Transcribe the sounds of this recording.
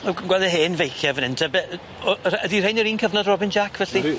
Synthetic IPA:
ɛɡwɛlˠɛɦeːnvejxjɛvənɪntʰɛbɛ | ɔrədir̥ejnəɾiːnkʰəvnɔdrɔbɪnd͡ʒakʰvɛɬi

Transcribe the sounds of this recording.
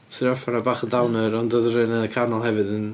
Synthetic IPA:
sɪɾɔfaɾabaːχədawnəɾɔndɔðəɾɨnənəkʰarnɔlˠɦɛvɨðən

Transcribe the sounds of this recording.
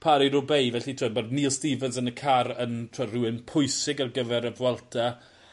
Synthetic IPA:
pʰaɾiɾʊbejvɛɬitʰoːd̚bodniːlˠstivənsənəkʰaɾəntʰɔrʊɪnpʰʊjsɪɡarɡəvɛɾəvwɛlˠtʰa

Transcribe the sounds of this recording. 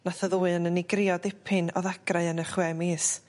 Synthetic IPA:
naθəðuːɨənənɪɡrɪɔdɪpʰɨnɔðaɡ̥raɨənəχwɛmiːs

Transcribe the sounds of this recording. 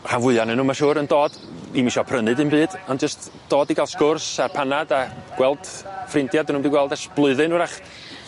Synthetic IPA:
havʊɨanɨnuːmaʃuːɾəndoːd̥imiʃɔpʰrənɨdɨnbɨːd̥ɔnd͡ʒəst | d̥oːdiɡalˠskʊrsarpʰanadaɡ̥wɛlˠd̥frɪntjadənumdiɡwɛlˠdaʃb̥lˠʊɨðɨnuɾaχ

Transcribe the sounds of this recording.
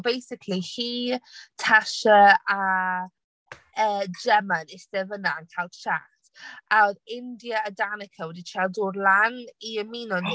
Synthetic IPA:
bejsɪkʰlihiːtʰaʃəa | əːd͡ʒɛmanɪstɛvənankʰalˠʃa̰ | tʔaðɪndjəːdanɪkʰəwɛdit͡ʃʰadʊɾlˠaniəmiːnɔn

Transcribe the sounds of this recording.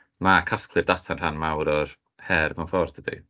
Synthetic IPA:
makʰaskʰlˠɨrdatʰan̥ʰanmawɾɔr | hɛrmanfɔrdədḭ

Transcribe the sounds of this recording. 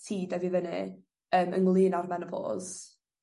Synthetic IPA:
tʰiːdɛvivənɨ | əːmə̰nlˠɪːnarmɛnəpʰo̰ːz̥

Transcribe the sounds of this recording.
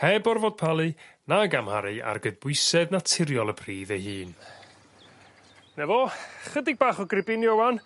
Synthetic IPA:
hɛbɔrvoːd̚pʰalˠɨnaɡamhaɾɨʔa̰rɡəd̚bʊɨsɛðnatʰɪɾjɔlˠəpʰriːðejhɨːn | nɛvɔχədɪɡ̚baːχɔɡrɪbɪnjowan

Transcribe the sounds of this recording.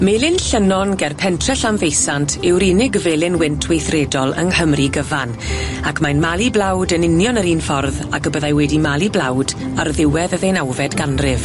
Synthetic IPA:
melˠɪnɬənɔnɡɛrpʰɛntʰrɛɬamvejsantʰɪwɾiːnɪɡvɛːlˠɪnwɪntʰwejθrɛːdɔlˠə̰ŋhəmriɡəvan | akʰmajnmalˠiblˠawdənɪnjɔnəɾiːnfɔrðakəbəðajwɛdimalˠiblˠawdarðɪwɛðəðejnawvɛdɡanrɪv

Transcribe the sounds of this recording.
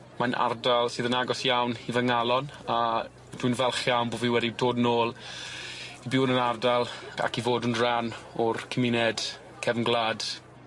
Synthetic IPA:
manʔa̰rdalˠsɨːðənaɡɔsjawnivəŋalˠɔna | d̥winvɛlˠχjawnboːviwɛdidoːdnoːlˠ | ibɪwnənardalˠa̰kivoːdənranɔrkʰəmɪnɛd̥ | kʰɛvnɡlaːd̥

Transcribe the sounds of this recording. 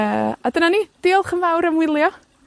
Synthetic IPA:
əːadənaniːd̥ɪːlˠχənvawɾəmwɪlˠjɔ

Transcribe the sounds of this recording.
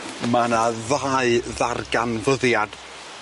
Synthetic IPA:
manaðaɨðarɡanvəðjad̥

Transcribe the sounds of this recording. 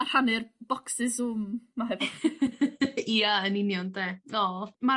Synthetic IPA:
ar̥hanɨrb̥ɔksɪzʊmːaɦɛvɪ | iaənɪnjɔndeːɔma

